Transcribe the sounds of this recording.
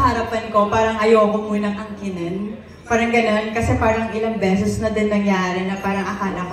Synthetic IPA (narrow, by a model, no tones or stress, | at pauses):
hɐɾɐpɐnko̞paːɾɐŋʔɐjoːɡomuːnɐŋʔɐŋkɪnɐn | paːɾɐŋɡɐno̞nkɐsɛpaːɾɐŋʔɪlɐŋbɛːsʊsnɐd̪ɛnːɐŋjaːɾɪnɐpaːɾɐŋʔɐkaːlɐk